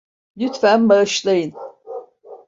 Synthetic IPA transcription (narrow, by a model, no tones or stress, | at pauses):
lyt̪fænbaɯʃlˠajɯn